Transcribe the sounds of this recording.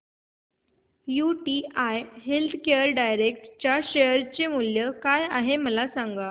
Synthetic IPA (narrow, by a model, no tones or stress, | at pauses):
juʈiajɦelt̪ʰkeəɾɖajɾekʈt͡ɕjaɕejəɾt͡ɕemuljəkajaɦeməlasaŋɡa